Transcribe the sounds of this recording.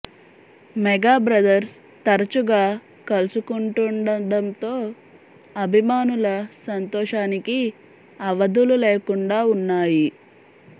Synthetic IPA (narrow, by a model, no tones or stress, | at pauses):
mɛɡaːbɾɐd̪ɐɾs | t̪ɐɾɐt͡ʃuɡaː | kɐlusukuɳʈuɳɖɐɖɐnt̪o̞ː | ɐbʱimaːnulɐsɐnt̪ɔːʂaːniki | ɐʋɐd̪ululeːkuɳɖaːunːaːji